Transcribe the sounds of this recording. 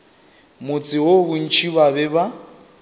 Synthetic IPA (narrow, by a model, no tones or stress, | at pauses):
mʊt͡sʼɪwobʊn̩t͡ʃʰibabɛba